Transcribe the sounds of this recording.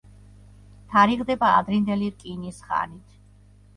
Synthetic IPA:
t̪ʰaɾiʁd̪ɛbaːd̪ɾind̪ɛliɾkʼinisχa̰nit̪ʰ

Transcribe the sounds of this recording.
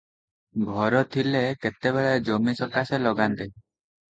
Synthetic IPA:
ɡʱɔɾɔt̪ʰileket̪ebeɭed͡ʒomisɔkaselɔɡant̪e

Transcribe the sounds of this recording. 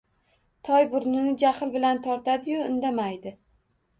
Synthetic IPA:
t̪ʰɒjbʊɾnɪnɪd͡ʒaχɪlˠbɪlant̪ʰɒɾt̪ʰad̪ɪjʊɪnd̪amajd̪ɪ

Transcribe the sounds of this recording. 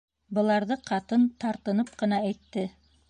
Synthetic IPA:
bɤ̆lˠɑɾðɤqʰɑt̪ɤnt̪ɑɾt̪ɤ̆nɤp̚qɤ̆nɑæjt̪ːɘ

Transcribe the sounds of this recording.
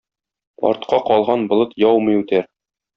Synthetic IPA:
ɒ̰ɾt̪̚qɑqɒlˠʁɑnbŏlˠɤt̪jɒwmɤjʉt̪æɾ

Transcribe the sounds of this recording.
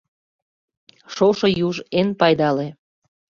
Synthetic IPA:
ʃoʃojuʒenpɑjd̪ɑle

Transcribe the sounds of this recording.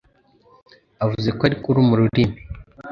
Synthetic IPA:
avuzekoaɾikuɾumuɾuɾimi

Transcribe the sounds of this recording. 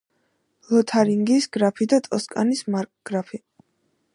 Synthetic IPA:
lˠɔt̪ʰaɾiŋɡisɡɾapʰid̪at̪ʼɔskʼa̰nismaɾkʼɡ̥ɾapʰi

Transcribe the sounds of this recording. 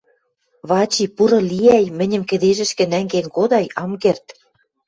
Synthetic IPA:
βɑt͡ɕipuɾɤ̆liæjmɘ̆nʲɘ̆mkɘ̆d̪eʒɘ̆ʃkɘ̆næŋɡenkod̪ɑjɑmkert̪

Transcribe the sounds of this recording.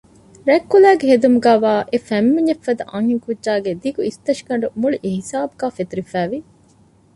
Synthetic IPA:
ɾækːulæːɡeɦed̪umuɡæːʋaːʔefæmːiɲɐfːɐd̪ɐʔɐŋhiŋkudʒaːɡed̪iɡuist̪ɐʃi̥kɐɳɖumuɭiʔehisaːbuɡaːfet̪uɾifæːʋi

